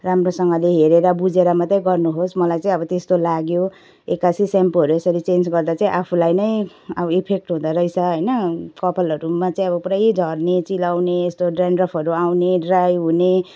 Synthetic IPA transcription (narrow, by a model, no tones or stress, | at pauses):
ramrosʌŋɡʌleɦeɾeɾʌbud͡zeɾamʌt̪ʌjɡʌrnuɦosmʌlajt͡saĩʌbʌt̪est̪olaɡjo | ekasisampɦʌɾuesʌɾit͡send͡zɡʌrd̪at͡saĩʔapʰulajnʌj | abʌipʰek̚ʈɦũd̪aɾʌjsaɦʌjnʌkʌpʰalʌɾumat͡saĩʌbʌpɾajid͡zʱʌrnet͡silawneːst̪oɖranrʌpʰʌɾuawneɖrajɦune